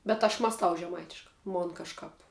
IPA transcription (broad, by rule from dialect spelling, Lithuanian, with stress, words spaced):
bʲɛt ɐʃ mɑːsˈtɐʊ ʒʲɛˈmɐɪtʲɪʃkɑː ˈmoːn kɐʃˈkɑːp